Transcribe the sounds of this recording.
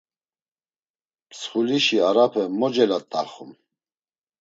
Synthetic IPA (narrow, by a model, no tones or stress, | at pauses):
pʰsχuliʃiaɾapʰɛmɔd͡ʒɛlat̪ʼa̰χṵm